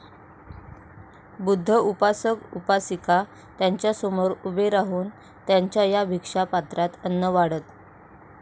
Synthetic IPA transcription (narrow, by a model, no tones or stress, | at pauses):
bud̪ʱːəupasəkupasika | t̪jaɲt͡ɕjasomoɾubeɾaɦuːn | t̪jaɲt͡ɕjajabʱikʂapat̪ɾat̪ənːəʋaɽət̪